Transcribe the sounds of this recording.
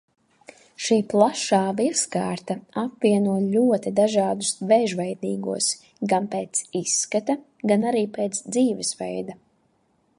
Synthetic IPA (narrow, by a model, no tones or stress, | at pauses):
ʃiːplˠaʃaːviɛskaːɾt̪aapviɛnuɔlʲuɔt̪id̪aʒaːd̪usvɛʒvɛjd̪iːɡṵɔs | ɡanpeːt̪sisːkat̪a | ɡanaɾiːpɛːt̪sd̪ziːvɛsvɛ̰jd̪a